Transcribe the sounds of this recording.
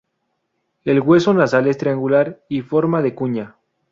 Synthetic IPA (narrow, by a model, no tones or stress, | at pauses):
e̞lɣwe̞so̞nasale̞st̪ɾeaŋɡulaɾifo̞ɾmaðekuɲa